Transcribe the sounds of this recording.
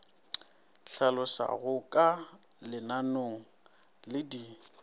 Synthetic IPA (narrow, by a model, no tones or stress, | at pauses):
ɬalʊsa̰ɣʊkʼa | lɪnanoŋ̩ | lɪdi